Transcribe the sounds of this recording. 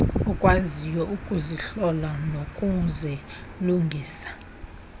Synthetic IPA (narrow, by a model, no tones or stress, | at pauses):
ɔkʼwazijɔukʼuziɬɔlanokʼunzʱɛluŋɡʱiːsḁ